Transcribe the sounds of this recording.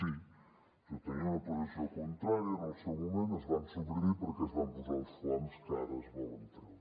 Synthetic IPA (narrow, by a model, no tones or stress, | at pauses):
si | ʒ̥ot̪əniunəpuzisiokunt̪ɾaɾjənəlˠsɛwmumẽnt̪əzβansuβɾipəɾkɛzβampuzawˠsflɔnskaɾəzβɔnt̪ɾə